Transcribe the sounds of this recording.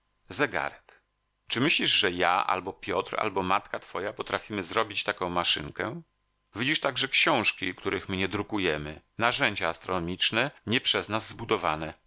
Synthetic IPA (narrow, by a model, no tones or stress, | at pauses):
zɛɡa̰ɾɛk | t͡ʂɘmɘɕlʲiʐʐɛja̰ʔa̰lbɔpʲjɔt̪ɾa̰lbɔmat̪kat̪fɔjapɔt̪ɾafʲimɘzɾɔbʲit͡ɕt̪akɔ̃w̃maʂɘ̰ŋkɛ | vʲid͡ʑiʂt̪aɡʐɛkɕɔ̃w̃ʂkʲikt̪uɾʔɘxmɘɲɛd̪ɾukujɛmɘ | naʐɛɲd͡ʑaːst̪ɾɔnɔmʲit͡ʂnɛɲɛpʂɛznazːbud̪ɔvanɛ